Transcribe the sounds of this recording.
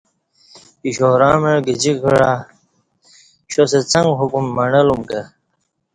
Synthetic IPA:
iɕoːɾaːmeɻɡid͡ʑikʰiɽa | ɕoset͡sɐŋɡɦukumːɐɳɐlumkɐ

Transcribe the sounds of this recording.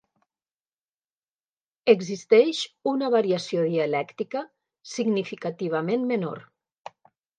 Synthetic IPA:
əɡzist̪ɛʃunəβaɾiasioðiəlɛkt̪ikə | siɡnifikat̪iβ̞əmenmeno̰ɾ

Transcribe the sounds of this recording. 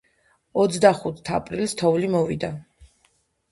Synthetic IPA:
ɔt̪sʰd̪aχut̪ʰt̪ʰapʼɾilst̪ʰɔvlimɔvḭd̪a

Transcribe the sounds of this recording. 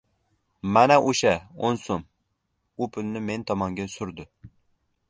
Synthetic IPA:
mɛnɛʔuʃɛonsom | upʰʊlnɪment̪ʰɑmɑŋɡʲɛsyɾd̪ʊ

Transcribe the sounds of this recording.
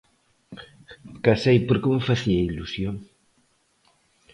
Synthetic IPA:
kasejpoɾkeməfaθiailusjoŋ

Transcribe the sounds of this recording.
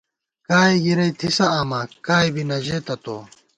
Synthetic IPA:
kaːiɡiɾɐjt̪ʰisɐaːmakaːjbinɐd͡ʑeːt̪ɐt̪o̰ː

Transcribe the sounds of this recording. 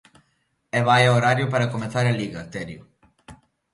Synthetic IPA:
ɛβajaoɾaɾjʊpaɾɐkomeθaɾɐliɣɐt̪ɛɾjʊ

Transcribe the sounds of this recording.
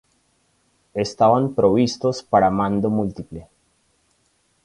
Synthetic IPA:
est̪aʋanpɾoʋist̪ospəɽamand̪omult̪iple

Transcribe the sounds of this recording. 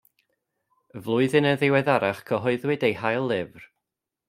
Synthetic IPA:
vlˠʊɨðɨnəðɪwɛðaɾaχkʰəɦɔɨðwɨdejhajlˠːɪvr

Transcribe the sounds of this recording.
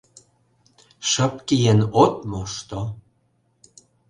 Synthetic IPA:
ʃə̆pkijenot̪moʃt̪o

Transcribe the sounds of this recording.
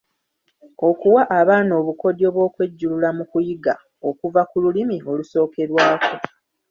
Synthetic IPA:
o̞kuwaʔaβaːno̞ːβuko̞djo̞βwo̞ːkwe̞ɟːululamukujiɡa | o̞kuvakululimio̞luso̞ːke̞ɾwaːkʰo̞

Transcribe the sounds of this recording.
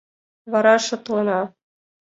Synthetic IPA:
βɑɾɑʃŏt̪̆lˠɤ̆nɑ

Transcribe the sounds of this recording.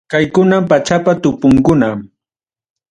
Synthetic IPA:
kajkʊnampat͡ʃapat̪ʊpʊŋkʊnam

